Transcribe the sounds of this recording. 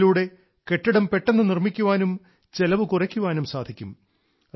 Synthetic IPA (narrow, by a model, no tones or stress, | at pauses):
luːɽe̞ | ke̞ʈːiɽɐmpe̞ʈːe̞nːɨnirmikʲːuʋaːnum | t͡ɕe̞lɐʋɨkurɐkʲːuʋaːnumsaːd̪ʱikʲːum